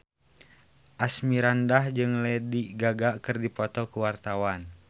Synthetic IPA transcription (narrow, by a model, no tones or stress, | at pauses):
ʔasmiɾandahd͡ʒɨŋlɛdiɡaɡakɨrdipɔt̪ɔkuwart̪awan